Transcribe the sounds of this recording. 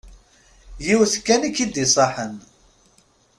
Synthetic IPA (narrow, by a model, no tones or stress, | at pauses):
jiwθkːænikːid̪isˤɑħən